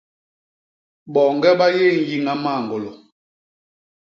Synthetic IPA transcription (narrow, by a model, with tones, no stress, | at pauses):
ɓɔ˨ŋɡɛ˦ɓa˦je˦˨ŋ̩˦ji˦ŋa˦ma˦˨ŋɡo˨lo˨